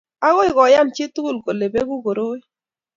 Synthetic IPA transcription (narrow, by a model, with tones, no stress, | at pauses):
a˦ɣɔ˦i˦ɣɔ˨ja˦n˨t͡ʃi˦tu˦ɣu˦˨lko˨le˨be˦ku˦ɡo˨ɾo˦i˦